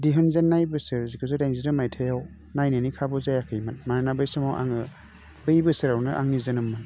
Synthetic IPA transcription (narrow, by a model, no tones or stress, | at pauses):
diɦɯnzenːajbɯsɯɾzikʰɯzɯdajŋzidɯmajtʰajaw | najnɯnikʰabɔzajakʰɯjmatmananabɯjsɯmawʔa̰ŋɯ | bɯjbɯsɯɾaɾnɯʔa̰ŋnizɯnɯmːɯn